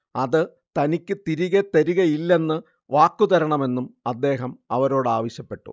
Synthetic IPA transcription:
ɐðɨ | t̪ɐnikʲːɨt̪iɾiɣɐt̪ɐɾiɣɐjilːe̞nːɨ | ʋaːkːuðɐɾɐɳɐme̞nːumɐd̪ːe̞ːɦɐmɐʋɐɾo̞ːɽɨaːʋɐɕjɐpːe̞ʈːṵ

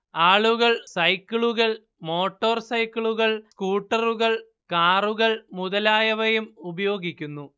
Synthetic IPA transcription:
aːɭuɣɐɭsɐjkːiɭuɣɐɭ | mo̞ːʈːoːrsɐjkːiɭuɣɐɭskuːʈːɐruɣɐɭ | kaːruɣɐɭmuðɐlaːjɐʋɐjumubɐjo̞ːɡikʲːunːu

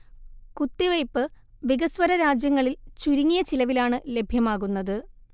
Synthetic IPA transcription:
kut̪ːiʋɐjpːɨ | ʋiɡɐsʋɐɾɐɾaːd͡ʑjɐŋːɐɭilt͡ɕuɾiŋːijɐt͡ɕilɐʋilaːɳɨle̞bʱjɐmaːɣunːɐðɨ

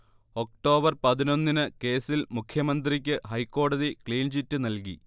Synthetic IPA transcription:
o̞k̚ʈo̞ːbɐrpɐðino̞nːinɨke̞ːsilmukʰjɐmɐnd̪rik̬ʲːɨɦɐjkːo̞ːɽɐðikliːnd͡ʑitːɨnɐlkḭ

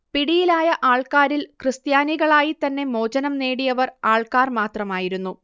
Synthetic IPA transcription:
piɽijilaːjɐʔaːɭkaːɾilkrɨst̪jaːniɣɐɭaːjit̪ɐnːe̞mo̞ːd͡ʑɐnɐmne̞ːɽijɐʋɐraːɭkaːrmaːt̪rɐmaːjiɾunːu

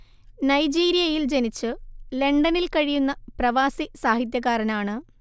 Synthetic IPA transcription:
nɐjd͡ʑiːɾijɐjild͡ʑenit͡ɕːɨle̞ɳɖɐnilkɐɻijunːɐprɐʋaːsisaːɦit̪̬jɐɣaːɾɐnaːɳɨ

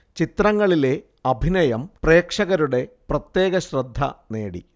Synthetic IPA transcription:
t͡ɕit̪rɐŋːɐɭile̞ | ɐbʱinɐjɐmpre̞ːkʂɐɣɐɾuɽe̞prɐt̪je̞ːɣɐɕrɐd̪ʱːɐ̰ne̞̰ːɽḭ

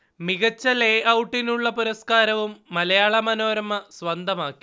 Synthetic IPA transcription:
miɣɐt͡ɕːɐleʔɐwʈːinuɭːɐpuɾɐskaːɾɐʋumːɐlɐjaːɭɐmɐnoːɾɐmːɐsʋɐnd̪ʱɐmaːkːi̥

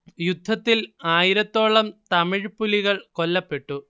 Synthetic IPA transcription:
jud̪ʱːɐt̪ːilaːjiɾɐt̪ːo̞ːɭɐmt̪ɐmiɻpulːiɣɐɭko̞lːɐpːe̞ʈːu

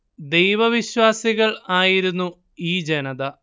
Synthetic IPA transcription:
d̪e̞jʋɐʋiɕwaːsiɣɐɭaːjiɾunːu | iːd͡ʑenɐðɐ

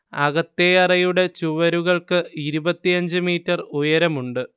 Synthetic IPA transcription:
ɐ̰ɣɐt̪ːejɐrɐjuɽe̞t͡ɕuʋɐɾuɣɐɭkɨiɾubɐt̪ːijɐɲd͡ʑɨmiːtːɐrujɐɾɐmuɳɖɨ

